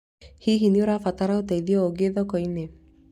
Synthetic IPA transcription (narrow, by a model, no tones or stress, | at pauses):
hiɦinioɾafat̪aɾaot̪eiðiɔoɡeðɔkɔine